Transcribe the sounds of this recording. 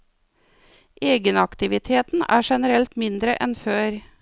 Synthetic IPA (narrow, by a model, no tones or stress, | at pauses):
ʔeːɡənɑkt̪ɪʋɪt̪ʰeːt̪n̩ʔæːʃɛnəɾɛlt̪mɪnd̪ɾəʔɛnføːɾ